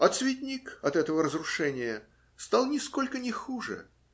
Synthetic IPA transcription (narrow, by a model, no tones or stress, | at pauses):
ɐt̪svʲɪt̪̬ʲnʲikɐt̪ɛt̪əvəɾəzrʊʂɛnʲɪjə | st̪ɑlˠnʲɪsko̞lʲkənʲɪxuʐɨ̰